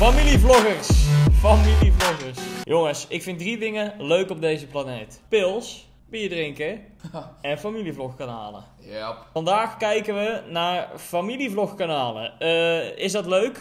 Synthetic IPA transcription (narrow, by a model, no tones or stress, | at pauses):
familivlɔɣərsfamilivlɔɣəɹsjʔoŋəsɪkfɪndridɪŋəløɥkɔb̚dejzəplanejtpɪlˠs | b̥iədrɪŋkə | ɛnfamilivlɔxkana̰ːlə̰ | ɑndaːxkɛjkəʋənaːrfamilivlɔxkanaːlə̰ | ɪsdɑtløɥk